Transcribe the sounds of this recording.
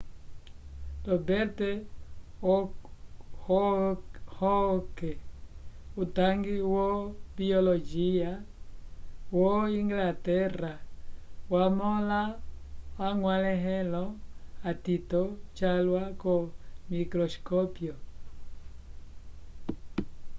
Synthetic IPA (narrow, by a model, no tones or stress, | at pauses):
lɔbɛɾtɛ | h | hɔkɛ | utaŋɡiwobiolod͡ʒia | woiŋɡlatɛɾawamɔlawaŋwalɛɦɛ̃lɔatitɔt͡ʃalwakɔmikɾɔskɔpjo